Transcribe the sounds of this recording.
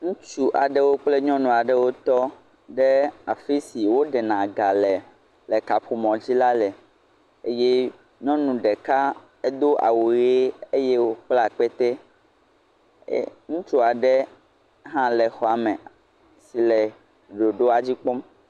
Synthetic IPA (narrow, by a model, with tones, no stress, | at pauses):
ŋũ˦t͡ʃu˦ʔa˨ɖɛ˦wo˦k͡ple˦ɲɔ̃˦nũ˨a˨ɖɛ˦wo˦t̪ɔ˦ | ɖɛ˦a˨fi˦si˨wo˦ɖɛ˨nã˨ɡa˨lɛ˨ | lɛ˨ka˨ɸʰu˨mɔ̃˨d͡ʑi˦la˦lɛ˨ | e˦jɛ˦ | ɲɔ̃˦nũ˨ɖɛ˨ka˦ | e˦d̪o˦ʔa̰˨wu˨je˦e˦je˦wo˦k͡pla˨k͡pɛ˦t̪ɛ˦ | ŋũ˦t͡ʃu˦a˨ɖɛ˦ | ɦã˦lɛ˨xɔ˨a˨mɛ̃˨ | si˨lɛ˨ | ɖo˨ɖo˦a˨d͡ʑi˦k͡po˦m